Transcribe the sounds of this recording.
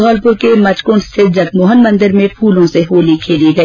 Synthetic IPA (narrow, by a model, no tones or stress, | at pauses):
ɔːlpʊɾkemɐt͡ʃkʊnst̪ʰɪɾd͡ʒɐɡmoːɦənmɐ̃nd̪əɾmẽpʰuːlõseɦoːlikʰeːliɡɐ